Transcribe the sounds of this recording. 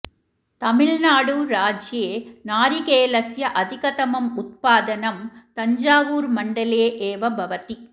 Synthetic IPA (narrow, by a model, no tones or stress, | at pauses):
t̪ɐmɪɭnaːɽuɾaːd͡ʒjeːnaːɾikeːlɐsjɐʔɐd̪ʱɪkɐt̪ɐmɐmʊt̪̚paːd̪ɐnɐmt̪ɐɲd͡ʒaːʋuːɾmɐɳɖɐleːʔeːʋɐbʱɐʋɐt̪i